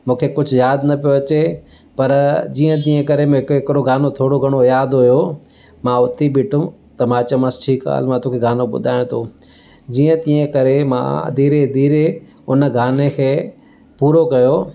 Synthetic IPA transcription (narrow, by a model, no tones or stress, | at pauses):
mũːkʰekʊd͡ʑʱʊjaːd̪nɐpijoɐt͡ɕe | pɐɾd͡ʑĩːə̃t̪̬ĩːə̃kɐɾemẽɦɪkɦɪkɪɾoɡaːnot̪ʰoːɽoɡʱɐɽ̃ojaːd̪ɦʊjo | mãʊt̪ibɪʈʊ̃t̪ɐmãːt͡ɕɐmãsʈʰiːka̰ːlmãt̪oːkʰeɡaːnoɓʊ̰d̪ʱaːjõt̪ʰoː | d͡ʑiːə̃t̪ĩːə̃kɐɾemã̰ːd̪iːɾed̪iːɾe | ʊnə̆ɡʱaːnekʰeː | puːɾokɐjoː